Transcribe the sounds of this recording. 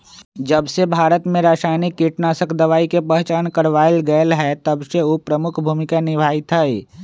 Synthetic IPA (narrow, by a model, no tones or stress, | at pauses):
d͡ʒəbsebʱaːɾət̪mẽɾaːʃaːɪnikːiʈnasəkʰd̪əʋaːikepə̃ɦt͡ʃaːnkəɾʋaːelɡəəlɦɛt̪əbseupɾəmʊkʰbʱuːmɪkanɪbʱaːit̪ʰəeː